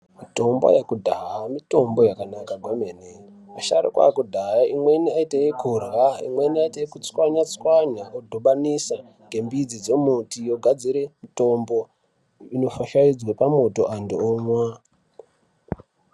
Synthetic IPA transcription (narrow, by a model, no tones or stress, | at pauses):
mito̞mbo̰jakudʱaɦaamito̞mbo̞jakanakaɡʱomene | maʃa̰ɾḭkwa̰jakudʱaɦaʔimwe̞niaitajekurɣaḭmwe̞niaitaekut͡swaɲat͡swaɲaʔodʱoɓanisa | ɡ̥ʱe̞mbid͡zid͡zemutijoɡʱad͡ziɾemito̞mbo̞ | ino̞faʃaid͡zwepamo̞to̞ʔandiomwa